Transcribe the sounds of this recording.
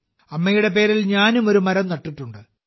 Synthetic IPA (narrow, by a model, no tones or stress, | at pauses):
ɐmːɐjuɽe̞p̬e̞ːɾilɲaːnumo̞ɾumɐɾɐmnɐʈːiʈːuɳɖɨ